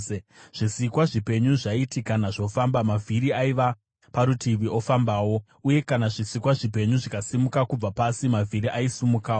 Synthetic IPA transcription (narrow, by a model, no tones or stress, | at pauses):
ʐ̥isikwaʐipe̞ɲuʐaitikanaʐo̞fambamavʱiɾiaiʋa | paɾutʰiʋiʔo̞fambaːwo̞ | uje̞kanaʐisikwaʐipe̞ɲuʐikasimukakub͡vapasimavʱiɾiʔaisumukaːo